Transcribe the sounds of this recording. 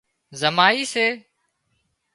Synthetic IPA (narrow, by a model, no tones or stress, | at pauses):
zəmaːiːseː